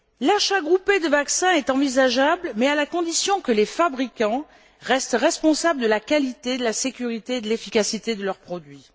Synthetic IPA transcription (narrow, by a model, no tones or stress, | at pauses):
laʃaɡʁuped̪əvaksɛ̃ɛt̪ɑ̃vizaʒablmɛalakɔ̃d̪isjɔ̃kəlefabʁikɑ̃ | ʁɛst̪ʁɛspɔ̃sabləd̪əlakalit̪ed̪əlasekʲyʁit̪eːd̪əlefikasit̪ed̪əlœʁpχɔd̪ɥi